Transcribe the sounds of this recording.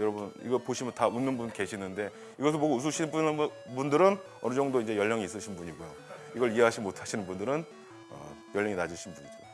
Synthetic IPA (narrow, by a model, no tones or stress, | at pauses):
jʌɾʌbunḭɡʌɭpoɕʰimjʌntaunːɯnbunke̞ɕʰinɯnde̞ | iɡʌsʰɯɭpoɡous̬ʰɯɕʰibu | bundɯɾɯn | ʌnɯd͡ʑʌŋdoind͡ʑe̞jʌʎːʌŋiːs̬͈ɯɕʰinbuɲiɡujo | iɡʌɭie̞ɦaɕimotʰaɕʰinɯnbundɯɾɯn | ʌ̰jʌɭːʌŋinad͡ʑiɕʰinbuɲid͡ʑo